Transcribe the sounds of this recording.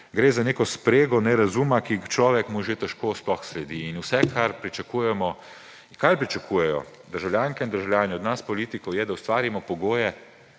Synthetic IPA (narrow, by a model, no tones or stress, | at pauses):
ɡɾeːzaneːkɔspɾeːɡɔnɛɾazumakixt͡ʃlɔːʋɛkmuʒet̪ɛʃkoːsplɔxslɛd̪iːnuwsɛkʰaɾpɾit͡ʃakuːjɛmɔ | kajpɾit͡ʃakʰujɛjɔ̰ | d̪əɾʒawljaːŋkɛind̪əɾʒawljaːnɛɔd̪naspɔliːt̪ikɔwjɛd̪awst̪ʋaːɾimɔpɔɡoːjɛ